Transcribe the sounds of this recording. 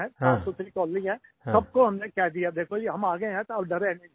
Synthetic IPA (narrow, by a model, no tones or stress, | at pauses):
ɛ̃ɦãːsʊsɾikɔːlːĩɦɛ̃sɐb̚koɦɐmnekjɛːd̪ijad̪eːkʰoeɦɐmaːɡɐẽɦɛ̃t̪oɐbɖɐɾẽnẽ